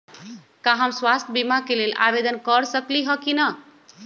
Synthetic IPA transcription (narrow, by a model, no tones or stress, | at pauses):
kaɦəmswast̪ʰbimakelelʔa̰bed̪ənkəɾsəkliɦəkinə